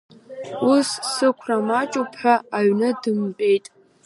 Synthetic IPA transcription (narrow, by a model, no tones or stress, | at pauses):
usːɨkʷʰramat͡ʃʼupʰħʷᶣaaɥnɨdɨmpʼe̞jtʼ